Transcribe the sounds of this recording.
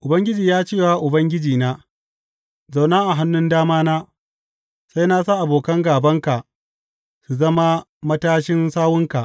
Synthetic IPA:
ʔʊ˨bɐ˦ŋɡʲɪ˦d͡ʒiː˨jaː˦t͡ʃeː˦˨waː˦ʔʊ˨bɐ˦ŋɡʲɪ˦d͡ʒiː˨naː˦ | za˨wnaː˦ʔa˨ɦa˦nːʊ˦ndaː˦maː˦naː˦ | sa˦jna˦sa˦˨ʔa˨boː˨kɐ˦ŋɡaː˨bɐ˦ŋka˨ʔ | su˨zɐ˦ma˦mɐ˦taː˦ʃɪ˦nsaː˦wʊ˦ŋka˨ʔ

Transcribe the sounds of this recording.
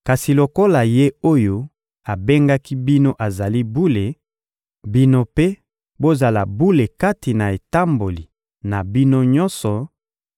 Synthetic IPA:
ka˨si˨lo˨ko˦la˨je˦o˦jo˦ | a˨be˦ŋɡa˦ki˦bi˦no˦ʔa˨za˨li˦bu˦le˨ | bi˦no˦pe˦ | bo˦za˨la˨bu˦le˨ka˦ti˨na˨e˨ta˦mbo˨li˨ | na˨bi˦no˦ɲɔ˦nsɔ˨

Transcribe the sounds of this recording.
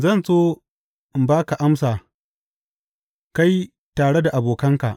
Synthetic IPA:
zɐ˦˨nsoː˦ | ʔɪ˨mbaː˦ka˨ʔa˦msaː˨ | ka˦j | taː˨ɽe˦da˨ʔa˨boː˨kɐ˦ŋka˨ʔ

